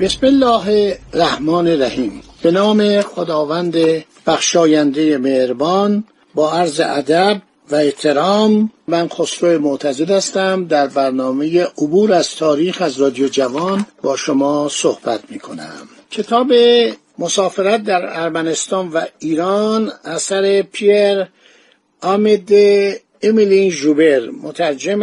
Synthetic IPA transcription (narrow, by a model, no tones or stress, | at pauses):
b̥esmelːɒːɦeræhmɒːneɾæhiːmb̥e̞nɒːme̞xod̪ɒːvænd̪e | b̥æxʃɒːjænd̪ejemehɾbɒːn | bɒːæɾzḛʔæd̪æb̚ | væeht̪ʰe̞ɾɒːmmænxosɾoemot̪ʰæzed̪æst̪æmd̪æɾbæɾnɒːme̞jeʔobuːɾæz̥t̪ʰɒːɾiːxæzɾɒːd̪ijod͡ʒævɒːnbɒːʃomɒːsohbæt̪ʰmiːkʰo̞næ̰m | cʰe̞t̪ʰɒːbe | mosɒːfe̞ɾæt̪̚d̪æɾæɾmæne̞st̪ɒːnvæiːɾɒːnæsæɾepʰieɾ | ɒmed̪e | emilinʒube̞ɾmot̪ʰæɾd͡ʒem